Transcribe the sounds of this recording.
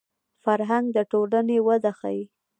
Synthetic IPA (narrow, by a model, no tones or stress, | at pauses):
faɾɦaŋɡ̚d̪əʈolənewəd̪axa̰ji